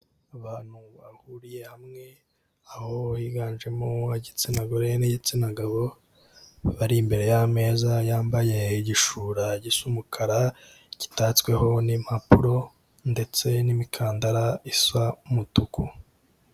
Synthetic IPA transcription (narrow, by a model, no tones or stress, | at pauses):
aβaːn̥huβahuɾije̞hamŋe̞ | aho̞jiɡaːnʒe̞moaɟit͡sinaɡoɾeniɟit͡sinaɡaβo̞ | βaɾimbe̞ɾe̞jame̞ːzajaːmbaje̞iɟiʃuːɾaɟisumukʰaɾa | ɟ̥i̥taːt͡skwe̞ho̞nimapuɾo̞ | nde̞t͡se̞nimikʰaːndaɾaisaumutuku